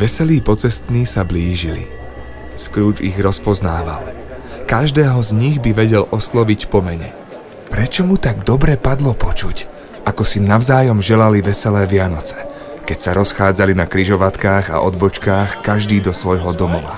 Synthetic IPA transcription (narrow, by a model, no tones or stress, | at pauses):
ʋɛsɛliːpɔt͡sɛst̪niːsabliːʒilḭ | skɾuːd͡ʒḭɣɾɔspɔznaːʋa̰l | kaʒd̪ɛːɦɔzɲiɣbiʋɛɟɛlʔɔslɔʋicpɔmɛɲɛ | pɾɛt͡ʃɔmut̪aɡd̪ɔbɾɛpad̪lɔpɔt͡ʃuc | akɔsinaʊzaːjɔmʒɛlaliʋɛsɛlɛːʋɪanɔt͡sɛ̥ | kɛcsaɾɔsxaːd͡zalinakɾiʒɔʋat̪kaːɣa̰ʔɔd̪bɔt͡ʃkaːxkaʒd̪iːd̪ɔsʋɔjɦɔd̪ɔmɔʋa̰